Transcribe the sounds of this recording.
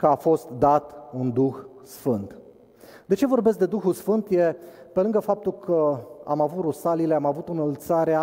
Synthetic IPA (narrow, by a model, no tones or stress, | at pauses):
kəafo̞st̪d̪at̪und̪uxsfɨnt̪ | d̪e̞t͡ʃe̞vo̞rbe̞s̚d̪ed̪uxulsfɨnt̪jepe̞lɨŋɡəfap̚t̪ulkʰəa̰mavut̪rusalile̞amavut̪ɨnəlt̪saɾea